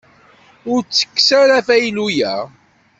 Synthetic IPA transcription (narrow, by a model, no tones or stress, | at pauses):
ʊɾt͡sːə̥kːsæɾæfæjlujæ